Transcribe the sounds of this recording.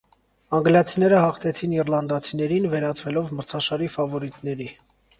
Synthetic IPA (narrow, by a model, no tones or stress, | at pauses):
ɑŋɡlɑt͡sʰinɛɾəhɑχt̪ʰɛt͡sʰinirlɑnd̪ɑt͡sʰinɛɾinvɛɾɑt͡svɛlɔvməɾt͡sʰɑʃɑɾifɑvɔɾit̪n̪ɛɾi